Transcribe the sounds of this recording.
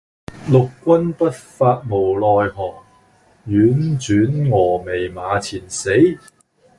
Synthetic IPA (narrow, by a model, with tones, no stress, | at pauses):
lʊ˨kːʷɐ˥npɐ˥t̚faː˧t̚mo˨˩wlɔː˧jɦɔː˨˩ŋ | jyː˨˥nt͡ʃyː˨˥nŋɔː˨˩me˨˩jmaː˨˧t͡sʰiː˨˩nse˨˥j